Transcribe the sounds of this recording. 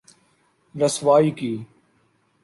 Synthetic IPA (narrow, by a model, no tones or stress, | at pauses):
ɾəsʋaːiːkiː